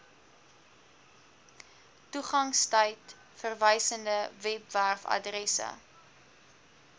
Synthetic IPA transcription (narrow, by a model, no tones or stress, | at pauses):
tuχɐŋstəjt | fərvəjsəndəvɛpværfɐ̰drɛsə̰